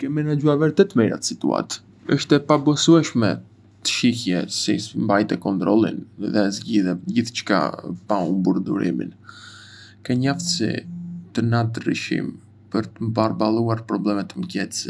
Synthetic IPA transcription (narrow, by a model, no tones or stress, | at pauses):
kɛmɛnad͡ʑuaɾvɛɾt̪ɛt̪mɛjɾa̰t̪ə̥sit̪ua̰t̪ | əʃt̪ɛpabɔsuɛʃmɛ | t̪ə̥ʃihjɛsɛismbajt̪ɛkɔnt̪ɾɔlˠḭnðɛzɟiðɛd͡ʑiθt͡ʃka̰paumbuɾd̪ṵɾḭmḭn | kɛɲaft̪sḭt̪ənat̪ərḭʃḭm | pəɾt̪əmbarbalˠuaɾpɾɔblɛmɛt̪əmɟɛt̪s